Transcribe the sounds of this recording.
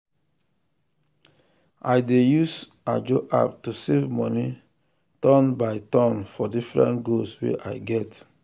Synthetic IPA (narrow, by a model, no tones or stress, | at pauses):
ajdejus | ad͡ʒoʔa̰p̚tusevmɔni | tɔ̃nbaɪtɔ̃nfɔdifɹɛ̰̃ntɡoswḛʔa̰ɪɡɛt